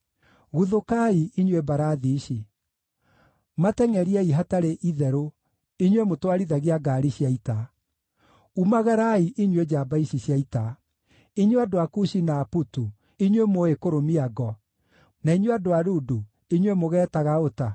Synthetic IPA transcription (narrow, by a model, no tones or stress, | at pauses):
ɣuðokaiiɲwebaɾaðiʃi | matɛŋɛɾiɛiɦataɾeʔiðɛɾo | iɲwemotwaɾiðaɣeaɡaːɾiɕjaita | umaɣaɾaiʔiɲwed͡ʑaːbaiʃiɕjaita | iɲweadoakuʃinaːputu | iɲwemoekoɾomiaɡɔ | naiɲweadoaɾudu | iɲwemoɣɛːtaɣaota